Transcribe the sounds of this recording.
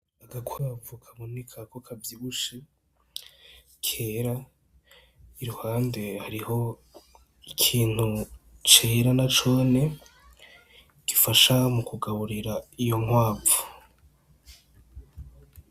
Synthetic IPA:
aɡakwaːvukʰaβo̞nekʰako̞kʰavjiβuʃe | kʰe̞ːɾa | iɾuhaːnde̞haɾiho̞ | ikʰiːn̥hut͡ʃe̞ːɾanat͡ʃo̞ːne̞ | ɡ̥ifaʃamukuɡaβuɾiɾaijo̞ŋwaːvu̥

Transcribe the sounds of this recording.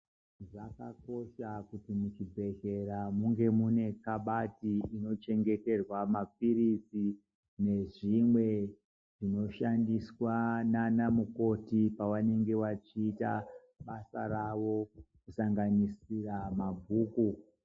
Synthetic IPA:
ʐaka̰ko̞ʃakutimut͡ʃibʱe̞ɣe̞ɾamuŋɡe̞mune̞kaɓatiino̞t͡ʃe̞ŋɡe̞te̞rwamap̚irisi | ʐne̞ʐimwe̞ | ʐino̞ʃandiswananamuko̞tipawane̞ŋɡe̞wat͡ʃiːta̰ | ɓasa̰rawo̞kusaŋɡanisiramabʱuːku

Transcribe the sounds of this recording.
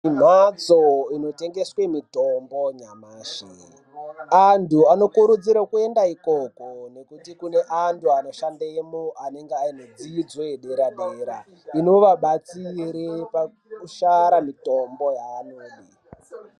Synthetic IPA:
im̤at͡soino̞te̞ŋɡe̞swe̞mitombo̞ɲamaːʃḛ | antuano̞kuɾud͡ziɾakue̞ndaiko̞ko̞ne̞kutikune̞ʔantʰuano̞ʃandemoane̞ŋɡeaino̞d͡ziːd͡zweeɗe̞ɾaɗeːɾa | ino̞ʋaɓat͡siɾepa | kuʃaɾamito̞mbo̞jaːnoːji

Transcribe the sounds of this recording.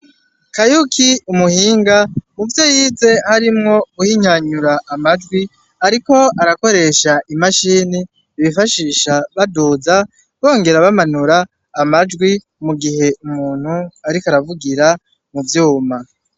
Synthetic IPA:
kajukʰiumuhiːŋɡamuvjo̞jiːze̞haɾimŋo̞uhiɲ̥aɲuɾaʔːmad͡ʒɡwi | aɾiko̞aɾako̞ɾe̞ʃaʔimaʃiːni | iβifaʃiːʃaβaduːza | βo̞ːŋɡe̞ɾaβamanuɾaː | mad͡ʒɡwi | muɡiɦe̞ʔumuːn̥huaɾikaɾavuɡiɾa | muvjuːma

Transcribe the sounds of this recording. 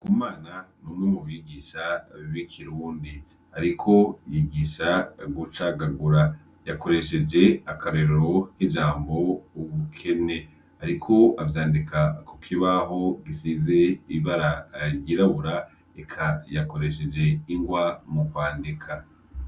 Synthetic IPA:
kumaːnanuːmŋemuβiɡiːʃaβikʰiɾuːndi | aɾikʰo̞jiɡiːʃaɡut͡ʃaɡaɡuɾa | jako̞ɾe̞ʃe̞d͡ʒe̞akaɾeɾeɾo̞hid͡ʒaːmbo̞uβukʰe̞ne̞ | aɾikʰo̞avjaːndikakʰo̥kʰiβaɦo̞ɡisize̞iβaɾaɾjiːɾaβuɾa | ekʰajako̞ɾe̞ʃe̞d͡ʒe̞iŋɡwamukwaːndikʰa

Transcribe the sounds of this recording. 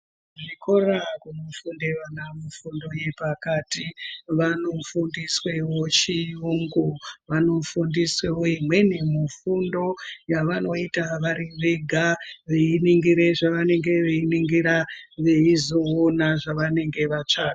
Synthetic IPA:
ʐikʰorakunofundeʋanamufundo̞je̞pakatiʋanofundiswe̞wo̞t͡ʃijuŋɡoʋano̞fundiswe̞woimwe̞nemifundo̞jaʋano̞itaʋaɾiʋeɡʱaʋeiniŋɡiɾe̞ʐaʋane̞ŋɡe̞ʋeiniŋɡiɾaʋe̞izo̞onaʐaʋane̞ŋɡe̞ʋat͡ʂaːɡa

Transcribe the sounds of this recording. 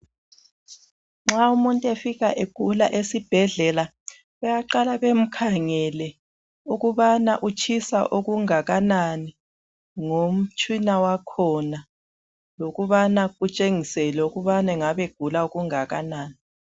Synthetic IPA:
ŋ͡ǁaumuntʼefiɣaʔeɡ̥ʱulaʔesib̥ʱɛɮɛla | βɛjaǃalaβem̩kʰaŋɛlɛ | uɣuβanaʔut͡ʃʰisa̰ʔoɣuŋaɣanani | ŋom̩t͡ʃʰʼwinawakʰɔna | loɣuβanaɣut͡ʃʼeŋisɛlɛuɣuβanɛŋaβeɡ̥ʱulaoɣuŋaɣanaːni

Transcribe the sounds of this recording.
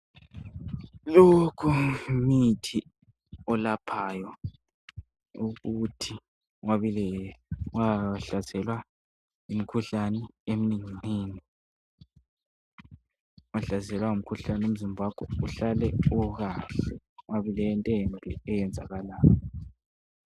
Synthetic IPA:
lokʰumitʰi | ɔlapʰajɔ | uɣutʰi | waβilɛwaɬazɛlwa | imikʰuɬanɛeminiŋiŋ͡ǀiːni | waɬazɛlwaum̩kʰuɬanum̩zimbʱakʼɔ̰uɬalɛuɣaːɬɛ | waβilɛntʼenbʱiɛjɛnd͡zʱa̰ɣalaːjɔ

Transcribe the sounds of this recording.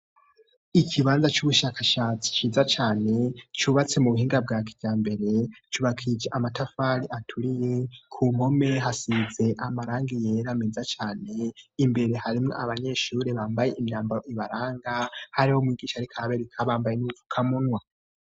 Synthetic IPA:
icʰiβaːnzat͡ʃuβuʃakaʃaːt͡si̥t͡ʃiːzat͡ʃaːne̞t͡ʃuβat͡se̞muβuɦiːŋɡab̚ɡaːki̥vjaːmbe̞ɾe̞t͡ʃuβakʰid͡ʒeʔamatafaɾiʔatʰuɾije̞kʰuːmo̞me̞ɦasize̞ʔamaɾaːŋɡijeɾamiːzat͡ʃaːne̞imbe̞ɾe̞haɾimŋoaβaɲe̞ːʃuːɾe̞βaːmbaje̞ʔimɲaːmbaɾoiβaɾaːŋɡahaɾiho̞mwiːɡiːʃaɾikʰaβe̞ɾekʰaβaːmbajenuvu̥kʰamunwa

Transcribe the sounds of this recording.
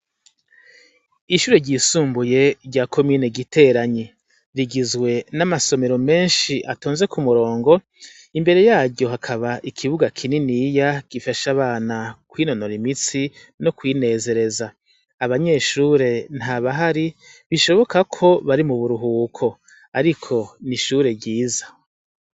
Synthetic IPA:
iʃuːɾe̞ɾɟiːsuːmbuje̞ɾɟakʰo̞miːne̞ɡitʰe̞ɾaɲe | ɾiɡizɡwe̞namaso̞me̞ɾome̞ːnʃiʔatoːnze̞kumuɾo̞ːŋɡo̞ | imbe̞ɾe̞jaːɾɟjo̞ɦakʰaβaʔikʰiβuɡakʰininijaɡ̥ifaʃaβaːnakwiːno̞no̞ɾimit͡si | no̞kwiːne̞ːze̞ɾe̞za | aβaɲe̞ʃuːɾe̞n̥haβaɦaɾiβiʃo̞βo̞kakʰo̞βaɾimuβuɾuɦuːkʰo̞ | aɾikʰo̞niʃuːɾe̞ɾɟiːzḁ

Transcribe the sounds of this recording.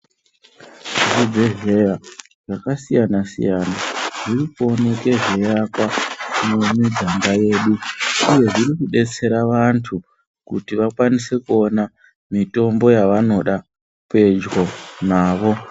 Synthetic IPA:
ʐud͡ze̞ʐe̞ja | ʐakasijanasḭjanaʐ̥iriko̞neke̞ʐe̞jakwakumumid͡zaŋɡaje̞ːɗuuje̞ʐirikuɗe̞t͡se̞ɾaʋantʰu | kutiʋakwanise̞kuo̞na | mito̞mbo̞jaʋano̞ɗa | pe̞d͡ʒɣo̞naːʋo̞

